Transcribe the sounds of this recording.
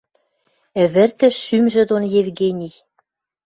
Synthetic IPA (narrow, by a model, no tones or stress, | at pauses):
ɘ̆βɘ̆rt̪ɘ̆ʃymʒɘ̆d̪onjevɣenʲij